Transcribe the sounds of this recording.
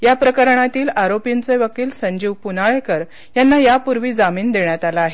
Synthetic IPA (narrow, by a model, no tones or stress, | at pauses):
japɾəkəɾɳ̃at̪iːlaɾopint͡seʋəkiːlsəɲd͡ʑiːʋpunaɭekəɾ | janːajapuɾʋiːd͡zamiːnd̪eɳjat̪alaːɦe